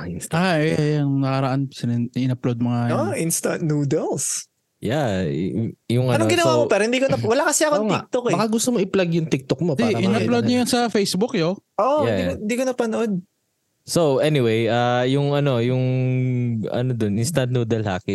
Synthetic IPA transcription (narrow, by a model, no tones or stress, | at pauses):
aɛjɐnnɐkɐɾɐʔansɐnɛʔɪnɐplod̪̚moŋajoʔinst̪ɐnuːd̪ɛls | ja | jʊŋʔɐnoɡɪnɐwamopɛːɾhɪnd̪ikonɐwɐlakɐsɛɐkoŋɪk̚t̪okɛmɐkɐɡʊst̪omoʔɪplaɡjʊŋt̪ɪk̚t̪ok̚mopdiʔɪnɐplod̪ɲɐjɐnsɐfejsbʊkjoʔojɛioɪnd̪iːkonɐpɐnoʔod̪̚ | sowʔɛnɪwejʔajʊŋɐno̞jʊŋ | ɐ̰nod̪onɪnst̪and̪̚nuːd̪ɛlha̰ːkɪ